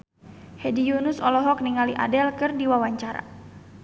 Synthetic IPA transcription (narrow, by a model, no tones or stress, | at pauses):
hɛdijunʊsɔlɔɦɔk̚niŋaliʔa̰dɛlkɨrdiwawaɲt͡ʃaɾa̰